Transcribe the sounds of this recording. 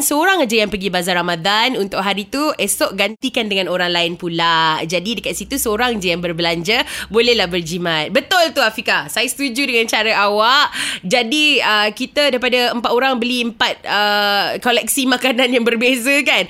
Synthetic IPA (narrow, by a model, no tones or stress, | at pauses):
nsəoɾaŋad͡ʒajaŋpəɡibazarɾamãd̪anunt̪ʊʔ̚ɦaɾit̪uʔesɔʔɡant̪ikandəŋãnoɾaŋlaɪnpulaʔd͡ʒadidəkat̪sit̪usəoɾaŋad͡ʒajaŋbərbəlaɲd͡ʒəbolɛhlahbərd͡ʒimãt̪̚bət̪ʊlt̪uafikasajast̪ud͡ʒudəŋant͡ʃaɾaʔawaʔd͡ʒadiəkit̪adaɾipadaəmpat̪oɾaŋbəliəmpat̪̚əkolɛk̚simãkananjaŋbərbezəkan